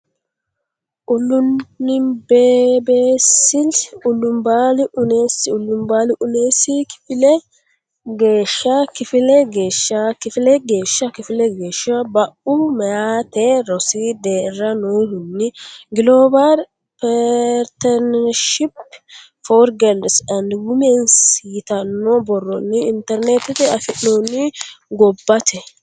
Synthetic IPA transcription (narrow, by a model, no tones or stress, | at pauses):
ʔʊlːʊnːɪbeːbeːsːɪlʊlːʊmbaːlɪʔʊneːsɪʊlːʊmbaːlɪʔʊneːsɪkɪ̥fɪlɛ | ɡe̞ːʃːakɪfɪlɛɡe̞ːʃːakɪfɪlɛɡe̞ːʃːɐkɪfɪlɛɡe̞ːʃːɐwɐbɐʔʊmɛjaːt̪ɛɾɔsiːd̪eːrːɐnoːhʊnːɪɡɪloːbaɾ | pɛɾt̪ɛnʃɪp | foɾɡɛldsɐnd̪wʊmensiːt̪ɐnːɔbɔrːɔnːɪɪnt̪ɛɾnet̪ɪt̪ɪɐfɪʔnoːnːɪɡɔbːɐt̪ʰɛ